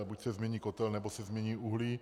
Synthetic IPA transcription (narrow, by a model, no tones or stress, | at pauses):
bucsɛzmɛɲiːkɔt̪ɛlnɛbosɛzmɲɛɲiːuɦli